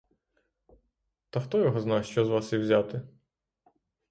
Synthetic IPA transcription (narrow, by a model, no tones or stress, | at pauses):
t̪ɐxt̪ɔjɔɦɔznɑwʃt͡ʃɔzʋɑsiwzʲat̪ɪ